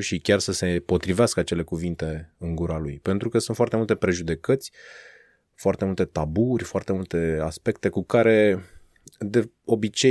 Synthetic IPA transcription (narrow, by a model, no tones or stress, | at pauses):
ʃikʲarsəse̞po̞t̪ɾiveaskəat͡ʃe̞le̞kuvint̪e̞ɨŋɡuɾalujpe̞nt̪ɾukəsunt̪foart̪emult̪e̞pɾe̞ʒud̪e̞kət̪sʲ | foart̪e̞mult̪e̞t̪aburʲfoart̪e̞mult̪e̞aspe̞kt̪e̞kukaɾe̞ | d̪e̞ | o̞bit͡ʃe